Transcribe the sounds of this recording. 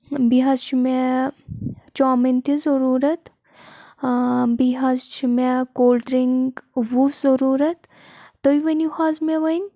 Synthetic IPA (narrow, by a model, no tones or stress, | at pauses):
biɦazt͡ʃʰime | t͡ʃaːmint̪ʰizɐɾuːɾɐt̪ | biɦɐzt͡ʃimekoːlɖɾiŋɡʋuzɐɾuːɾɐt̪ː | oiʋɐnixaːzmeʋɐn